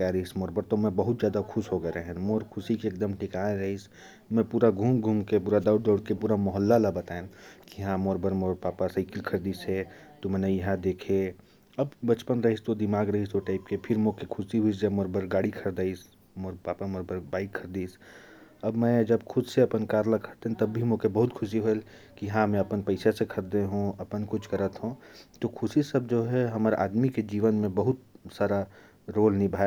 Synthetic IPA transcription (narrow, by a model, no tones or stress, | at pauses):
aɾɐɦismoːɾbəɾt̪omɛ̃bɐɦʊt̪zjaːd̪akʰʊʃɦoɡəeɾeɦɛ̃moːɾkʰʊsikeːk̚d̪əmʈɪkaːẽɾɐɦis | mɛ̃puːɾaɡʱuːmɡʱuːmkepuːɾad̪aʊɽd̪əːɽkepuːɾamɔɦəlːalabɐt̪aːẽkiɦãmoːɾbəɾmoːɾpaːpasəɪkɪlkʰəɾd̪iːsɛt̪omɛ̃ːnejɐɦãd̪eːkʰe | ɐbbɐt͡ʃpənɾɐɦist̪od̪ɪmaːɡɾɐɦisoʈaːɪp̚kepʰɪɾmoːkekʰʊsiɦuisd͡ʒɐbmoːɾbəɾɡaːɽikʰɐɾd̪aːis | moɾpaːpamoɾbəɾbaːɪkʰːəɾd̪iːs | ɐbmɛ̃d͡ʒɐbkʰʊd̪seɐpənkaːɾlakʰəɾt̪eɦɛ̃t̪ɐbːʱimokebɐɦʊt̪kʰʊsiɦoel | kiɦãmɛ̃ɐpənpɐɪsesekʰɐɾd̪eɦũɐpənkʊt͡ʃʰkɐɾət̪ɦõt̪okʰʊsisɐb̚d͡ʒoːɦɛɦɐməɾʔa̰ːd̪miked͡ʒiːʋənmẽbəɦʊt̪̚saːɾa | ɾoːlnibʱaː